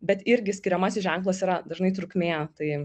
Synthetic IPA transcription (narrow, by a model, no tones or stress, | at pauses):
bʲɛt̪ɪɾʲɡʲɪsʲkʲɪɾʲɛmɐsʲɪsʒʲɛŋklˠɐsiːɾɐd̪ɐʒnɐɪt̪ɾʊkmʲeːt̪ɐɪ